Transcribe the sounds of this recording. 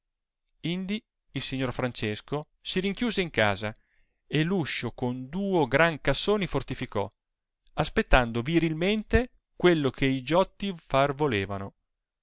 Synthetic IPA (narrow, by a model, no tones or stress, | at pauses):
ind̪i | ilsiɲːorfɾant͡ʃesko | siɾiŋkjuːzeiŋka̰ːza | elːuʃːokond̪uːoɡɾaŋkasːoːnifort̪ifikɔ | aspet̪ːand̪oviɾilment̪e | kwelːokʰeid͡ʒɔt̪ːifarvoleːvano